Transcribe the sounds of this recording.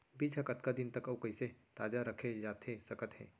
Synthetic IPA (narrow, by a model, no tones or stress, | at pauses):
biːd͡ʒʰʱɐkət̪kad̪ɪnt̪ɐkɐʋkɐiset̪aːd͡ʒaɾɐkʰed͡ʒaːt̪esɐkət̪ɦɛ̰ː